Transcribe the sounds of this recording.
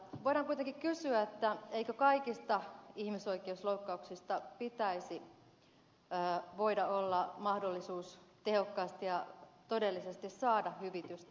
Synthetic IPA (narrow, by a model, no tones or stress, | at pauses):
ʋoiɾɑŋkuit̪eŋkikkysyæet̪ːæeikøkɑikist̪ɑihmiso̞ikˑeusloukːɑuksist̪ɑpit̪æisi | ʋoidɑolːɑmɑhdolːisuːst̪ehokːɑːst̪ijɑt̪odelːisest̪issɑːdɑhhyʋit̪yst̪